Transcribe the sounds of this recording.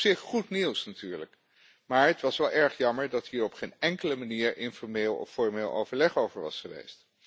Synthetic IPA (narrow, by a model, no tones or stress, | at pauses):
sɪχχutniwsnatyːɹlək | maːɹətʋɑsʋɛlˠʔɛɹχjɑməɹdɑtɦiːɹɔpχejnɛŋkələmaniːɹɪnfɔɹmeːlˠɔ̰fɔɹmeːlˠʔo̰wvəɹlɛχowvəɹʋɑ̰sχəʋḛjst